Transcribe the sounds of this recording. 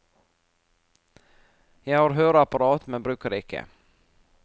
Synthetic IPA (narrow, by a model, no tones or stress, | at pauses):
jɑːɡhaɾɦœːɾapaɾɑːt̪mɛnbɾʉ̟ːkaɾɪkʰːə̰